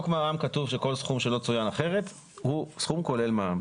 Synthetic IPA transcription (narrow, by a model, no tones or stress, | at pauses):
okmeaamkatuvʃe̞ko̞lsχumʃe̞lo̞t͡sujanaχe̞ʁe̞t̪ | husχumko̞le̞lmam